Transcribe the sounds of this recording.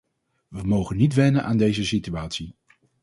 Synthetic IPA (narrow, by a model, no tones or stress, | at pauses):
ʋəmowχənːitʋɛnənʔaːndejzəsityaːtsi